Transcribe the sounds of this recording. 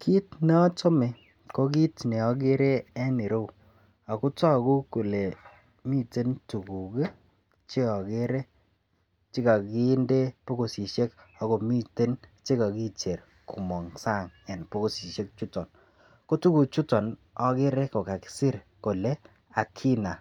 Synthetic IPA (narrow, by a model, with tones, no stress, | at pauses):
kʰi˦tnɛ˦to˦me˨ | ko˦k̬i˦tne˨ɔ˦ɡ̬e˦ɾe˦ɛ˦ni˨ɾo˦w | a˨ku˦tɔ˦˨ku˦ko˨le˨ | mi˦te˦ntu˨ku˨ɡe˦ | t͡ʃɪ˦ɔ˨ke˦ɾe˦ | t͡ʃɪ˦ka˨ki˦nde˦po˦ko˨si˨ʃe˦k | a˨ko˨mi˦te˦nt͡ʃe˦ka˨ki˦t͡ʃe˨r | kʰu˨mɔ˨ŋsa˦˨ŋɛ˨npo˦ko˨si˨ʃe˦k̚t͡ʃu˦tɔ˨n | ko˦tu˦ku˨t͡ʃu˦tɔ˨n | ɔ˦kɪ˦ɾɛ˦ko˨ka˨ki̥˨si˦ɾ | ko˨le˦ | a˨kʰi˦na˨